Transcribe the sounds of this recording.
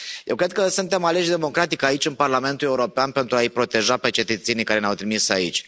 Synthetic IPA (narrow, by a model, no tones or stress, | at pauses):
jewkɾe̞d̪̚kəsunt̪e̞male̞ʃd̪e̞mo̞kɾat̪ikait͡ʃɨnparlame̞nt̪ule̞uɾo̞peanpe̞nt̪ɾuaijpɾo̞t̪e̞ʒape̞t͡ʃe̞t̪ət̪se̞nikaɾe̞neawt̪ɾimisait͡ʃʲ